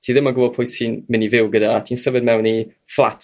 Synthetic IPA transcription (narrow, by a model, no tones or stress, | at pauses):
tʰiːðɪmaɡəbɔpʰʊjθsinmɪnivɪwɡədaːtʰiːnsəvəd̚mɛwni | flˠa̰tʰ